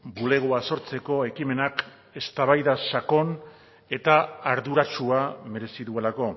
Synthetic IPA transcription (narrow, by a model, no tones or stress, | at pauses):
bule̞ɣ̞oaso̞ɾt͡se̞ko̞e̞kime̞nak | e̞st̪aβajðasako̞n | e̞t̪aːɾðuɾat͡ʃuame̞ɾe̞siðue̞lako̞